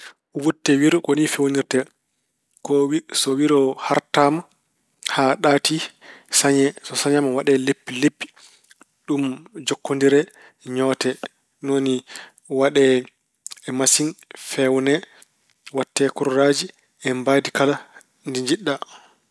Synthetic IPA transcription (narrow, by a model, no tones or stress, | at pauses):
wutːɛwiɾkonifewoniɾtɛ | kɔwisɔwiɾɔhaɾtama | haɗaːtisaɲɛsɔsaɲamawaɗɛlepːilepːi̥ | ɗumd͡ʒɔkːondiɾɛ | ɲɔːtɛ | noni | waɗɛ | ɛmasinfɛwnɛ | watːɛkuɾːad͡ʒi | ɛmbadikala | ndiɲd͡ʒiɗːa